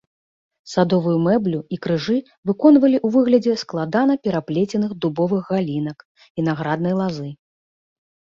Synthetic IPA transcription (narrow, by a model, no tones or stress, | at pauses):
sad̪ɔvujumɛblʲuikɾɨʐɨ | vɨkɔnvɐlʲiʔuvɨɣlʲɐd͡zʲɛsklˠad̪anɐpʲɛɾaplʲet͡sʲɛnɨxd̪ubɔvɨɣɣalʲinɐk | inaɣɾad̪̚nɐjlˠazɨ